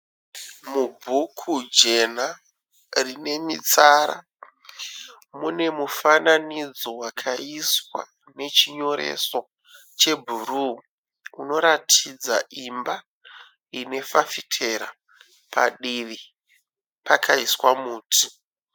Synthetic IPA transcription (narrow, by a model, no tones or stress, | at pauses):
mubʱukʰud͡ʒe̞na | rine̞mit͡saɾa̰ | mune̞mufananid͡zo̞wakʰaiswa̰ | ne̞t͡ʃiɲo̞ɾḛso̞ | t͡ʃe̞bʱuru | uno̞ɾatʰid͡za̰ʔimba | ine̞fafitʰe̞ɾa̰ | pʰa̰ɗiʋi | pakʰaiswamuːtʰi̥